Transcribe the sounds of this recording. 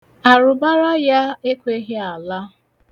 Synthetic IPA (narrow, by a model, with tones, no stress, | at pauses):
a˨ɾʊ˨ba˦ɾɔ˦ja˦e˦kʷe˦ɦe˦a˨la˦